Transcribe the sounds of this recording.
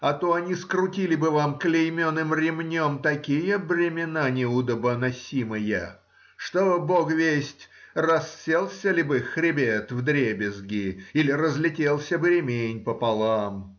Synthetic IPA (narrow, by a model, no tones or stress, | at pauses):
ɐt̪oɐnʲiskɾʊtʲilʲɪbɨvamklʲɪjmʲonːɨmrʲɪmnʲomt̪ɐkʲijəbɾʲɪmʲɪnanʲɪʊd̪əbənɐsʲimɨjə̰ | ʂt̪obokvʲesʲtʲrɐsːʲelˠsʲəlʲbɨxɾʲɪbʲet̪vd̪ɾʲebʲɪzɡʲɪilʲɪrəzlʲɪtʲelˠsʲəbɾʲɪmʲenʲpəpɐlˠam